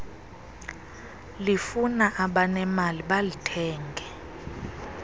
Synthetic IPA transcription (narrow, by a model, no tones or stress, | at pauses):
lifunaʔaɓanɛmaliɓalitʰɛːŋɡʱɛ